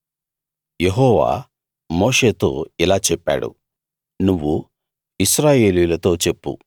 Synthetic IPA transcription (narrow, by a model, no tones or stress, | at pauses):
jeɦɔːʋa̰ː | mo̞ːʂe̞ːt̪o̞̰ːilaːt͡ʃɛpːa̰ːɽṵ | nuʋːu | iʃɾaːje̞ːlujulɐt̪o̞ːt͡ʃe̞pːṵ